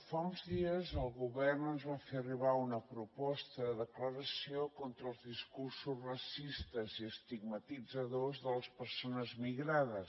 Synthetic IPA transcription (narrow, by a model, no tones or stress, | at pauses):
faunzðiəzəlˠɣuβɛrnənzβafeəriβaunəpɾupɔst̪əðəðəkləɾəsiokont̪ɾəːlˠzðiskursuzrəsist̪əziəst̪iɡmət̪id͡zəðozðələspəɾsonəzmiɣɾaðə